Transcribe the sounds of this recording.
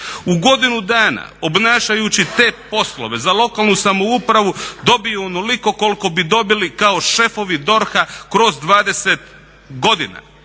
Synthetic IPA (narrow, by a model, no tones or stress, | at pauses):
uɡo̞d̪inud̪aːna̰o̞bnaːʃajut͡ɕit̪e̞ːpo̞slo̞̰ʋe̞zalˠo̞kaːlˠnusamo̞upɾaʋud̪o̞biuonoliko̞ko̞lko̞bid̪o̞bilikao̞ʃe̞fo̞ʋid̪o̞ɾxakɾo̞zd̪ʋaːd̪e̞se̞t̪ | ɡo̞d̪ina̰